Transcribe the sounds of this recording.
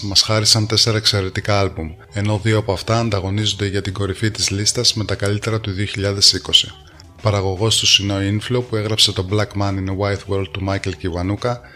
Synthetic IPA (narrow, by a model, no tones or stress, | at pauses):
mɐsxɐɾisɐnt̪e̞se̞ɾɐekse̞ɾe̞t̪ikɐɐlbum | e̞no̞ðio̞ɐpoɐft̪ɐːnd̪ɐɣo̞nizo̞nd̪eʝɐt̪iɡo̞ɾifit̪izlist̪ɐzme̞t̪ɐkɐlit̪e̞ɾɐt̪uðioçiʎɐðe̞siko̞si | pɐɾɐɣo̞ɣo̞st̪usino̞inflo̞pue̞ɣɾɐpse̞t̪o̞blɐkmɐninowajθwe̞ɾld̪̚t̪ːumɐjce̞lceivɐnukɐ